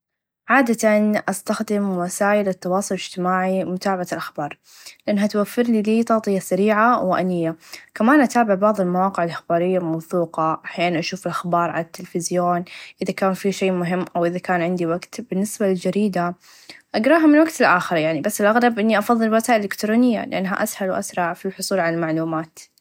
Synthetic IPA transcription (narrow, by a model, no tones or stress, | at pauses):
ʕaːd̪at̪anʔast̪axd̪ɪmwasaːjɪlɪt̪ːɑwɑːsˤʊlɪd͡ʒt̪ɪmaːʕimʊt̪aːbaʕalʔaxbɑːɾˤ | lɪʔɪnːɦat̪wafːɪɾliliːt̪ˤɑːt̪ˤɨjasaɾiːʕawɪʔanɪjːakamaːnʔat̪aːbɪʕbɑʕðˤɪlmawɑːqɪʕɪlʔaxbaːɾɪjːamawθuːqɑʔaħjaːnanʔaʃuːfɪlʔaxbɑːɾˤʕalat̪ːɪlfɪzjoːnʔɪðakaːnfiʃeːmʊɦɪmːʔawʔɪðakaːnʕɪnd̪iwaɡt̪bɪnːɪsbalɪld͡ʒaɾiːd̪a | ʔaɡɾˤɑːɦamɪnwaɡt̪ɪlʔaːxɪɾjaʕnibasːɪlʔaɣɾˤɑbʔɪnːiʔɑfɑðˤːɨlwat̪aːʔlːɪkt̪ɾoːnɪjːa̰lɪ̰ʔanːɦa̰ʔashalwʔa̰sɾˤɑʕfilħʊsˤuːlʕalalmaʕluːmaːt̪